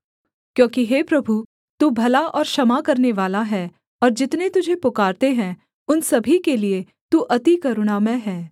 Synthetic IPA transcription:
kjõːkiɦeːpɾɐbʱu | t̪uːbʱɐlaʔɔːɾʃɐmakɐɾneʋaːlaɦɛː | ɔːɾd͡ʒɪt̪net̪ʊd͡ʒʱepʊkaːɾt̪eɦɛ̃ː | ʊnsɐbʱikelie | t̪uːʔɐt̪ikɐɾʊɽ̃amɛ̃ɦɛː

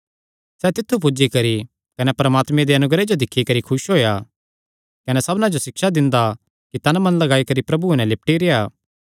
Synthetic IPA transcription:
sɛːt̪ɪt̪ʰːup̬ʊd͡ʒikɐɾi | kɐnɛpɐɾəmaːt̪mẽd̪eɐnʊɡɾed͡ʒod̪ɪkʰːikɐɾikʰʊʃɦoːja | kɐnɛsɐbnãd͡ʒosɪkʃad̪ɪ̃nd̪a | kit̪ɐnmɐ̃nlɐɡaːikɐɾipɾɐbunɛ̃lɪp̚ʈiɾeaː

